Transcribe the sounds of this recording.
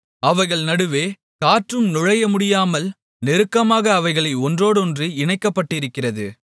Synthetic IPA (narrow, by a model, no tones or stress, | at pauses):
ɐʋɐɪɣɐɭnɐɽɯʋeː | kaːʈrɯmnʊɻɐjɐmʊɽɪjaːmɐl | nɛɾɯkːɐmaːɣɐːʋɐɪɣɐɭɐɪɔndroːɽɯɔndriɪɳɐɪkːɐpːɐʈːɪɾɯkːɪrɐðɯ̰